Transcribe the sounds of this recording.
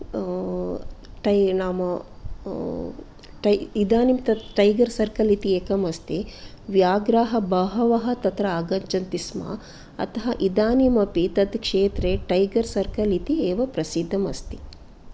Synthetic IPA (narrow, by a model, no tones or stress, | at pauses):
ʈɐnaːmɐ | ʈɐid̪aːnimt̪ɐʈɐjɡɐɾsɐɾkɐlit̪ieːkɐmɐst̪i | ʋjaːɡɾaːɦɐbɐɦɐʋɐɦɐ̆t̪ɐt̪ɾɐaːɡɐɲt͡ʃɐnt̪isma̰ː | ɐ̰t̪ɐɦɐʔid̪aːnimɐpit̪ɐd̪kʂeːt̪ɾeʈɐjɡɐɾsɐɾkɐlit̪ieːʋɐpɾɐsid̪ʱːɐmɐst̪i̥